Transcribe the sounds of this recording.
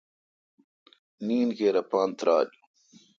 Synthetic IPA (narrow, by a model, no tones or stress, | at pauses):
niːnkeːɾɐpaːnt̪ɾaːd͡ʑu